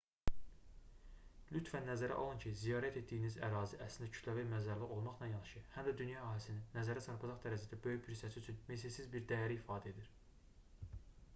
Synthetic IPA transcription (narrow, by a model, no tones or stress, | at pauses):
lʲyt̪fænːæzæɾæ̰ʔolˠuncʰizijɑːɾæt̪ʰe̞t̪d̪ijinizæɾɑːziʔæslind̪æcʰy̥t̪lævæmæzæɾliɣo̞lˠmɑχlˠɑnjɑnɑʃɯhæmd̪æd̪ynjɑæɦɑlisininːæzæɾæsʰɑɾpʰɑd͡ʒɑχd̪æɾæzid̪æbø̞jyçbʰiɾsæsiyt͡ʃʰynmes̬esizbiɾd̪æjæɾiːfɑːd̪æe̞d̪iɾ